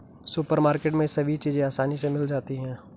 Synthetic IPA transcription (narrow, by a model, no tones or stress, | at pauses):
sʊpəɾmaːɾkeːʈmẽsɐbʱit͡ʃiːzẽaːsaːnisemɪld͡ʒaːt̪iɦɛ̃ː